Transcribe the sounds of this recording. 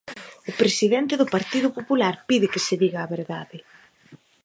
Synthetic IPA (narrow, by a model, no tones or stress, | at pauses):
ʊpɾesiðɛnt̪ɪðʊpaɾt̪iðʊpopulaɾpiðɪkeseðiɣaːβeɾðaðɪ